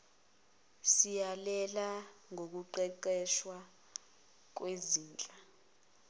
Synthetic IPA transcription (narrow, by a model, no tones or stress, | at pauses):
sijalɛlaŋʱok̬uǃɛǃɛʃwa | k̬weziːnt͡ɬʼa